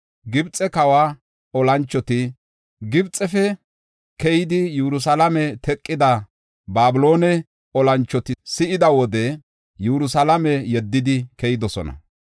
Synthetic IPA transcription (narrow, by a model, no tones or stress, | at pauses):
ɡɪbt͡sʼɛkɐwaː | ɔlɐnt͡ʃːɔt̪ɪ | ɡɪbt͡sʼɛfɛ | kɛjɪd̪ɪjɛɾʊs̬ɐlɐmɛt̪ʰɛkʼːɪd̪ɐ | baːbʊlo̞ːnɛ | ɔlɐnt͡ʃːɔt̪ɪsɪʔɪd̪ɐwɔd̪ɛ | jɛɾʊsɐlɐmɛjɛd̪ːɪd̪ɪkɛjɪd̪ɔsɔnɐ̰